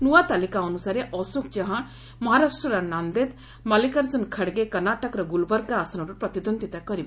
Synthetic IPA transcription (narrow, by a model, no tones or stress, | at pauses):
nuwat̪alikaɔnusaɾeʔɔsuk̚t͡ʃaɦã | mɔɦaɾasʈɾəɾanand̪et̪ | malikaɾd͡ʒɔnkʰəɽɡekəɾnaʈəkɾɔɡulbɔɾɡaːsnɔɾupɾɔt̪id̪ond̪ʱit̪akɔɾib